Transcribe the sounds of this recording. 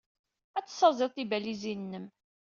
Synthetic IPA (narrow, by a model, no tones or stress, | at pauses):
æt͡sːə̥sːɑzˤɪˤt̪ˤibælizinːəm